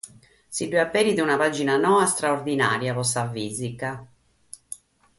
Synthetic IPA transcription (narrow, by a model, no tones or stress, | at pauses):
siɖuapːɛɾid̪unapad͡ʒinanɔːast̪ɾaord̪ina̰ːɾjavɔsavːiːzika